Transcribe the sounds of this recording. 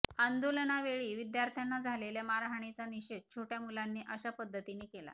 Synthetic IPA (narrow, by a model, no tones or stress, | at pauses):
and̪olənaʋeɭiːʋid̪jaɾt̪ʰjanːad͡zʱalelemaɾaɦɳ̃it͡saniɕet̪̚t͡ɕʰoʈjamulanːiːʔəɕapəd̪ʱːət̪iniːkela̰